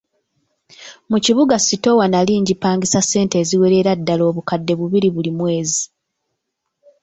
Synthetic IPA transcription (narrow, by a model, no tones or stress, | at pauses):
muciβuɡasito̞wanaliːɲɟipaːŋɡisase̞ːnte̞ːziwe̞ɾe̞ɾadːalo̞ːβukadːe̞βuβiɾiβulimwe̞ːzi